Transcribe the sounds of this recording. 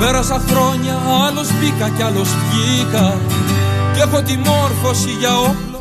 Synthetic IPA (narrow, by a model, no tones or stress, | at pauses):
eɾɐsɐxɾo̞ɲɐɐlospikɐcɐloscikɐ | cexot̪̬imoɾfosiʝɐol